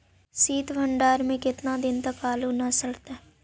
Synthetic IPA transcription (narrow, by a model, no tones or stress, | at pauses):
siːt̪bʱəɳɖaːɾmẽkɪt̪nad̪ɪnt̪ɐkaːlunɐsəɽt̪a